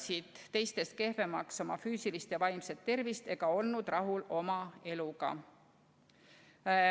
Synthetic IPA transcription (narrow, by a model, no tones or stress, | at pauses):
sid̪̥t̪e̞jst̪e̞st̪̚ke̞hve̞mɑkso̞mɑfyːsilist̪jɑvɑjmse̞t̪ːe̞rvist̪e̞ɡ̥ɑo̞lnud̪̥rɑɦulo̞mɑe̞luɡ̥ɑ̰